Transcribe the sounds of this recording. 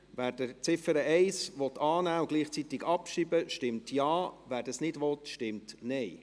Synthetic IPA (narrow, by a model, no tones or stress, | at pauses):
væːɾd̥ət͡sɪfəɾəʔɛɪsʋɔt̪ʰːɑːnæːʊɡ̥liːχt͡sit̪ɪɡɑpʃibəʃtɪmtjɑːvæːɾdɑsnɪdʋɔt̪ʃtɪmtnɛɪ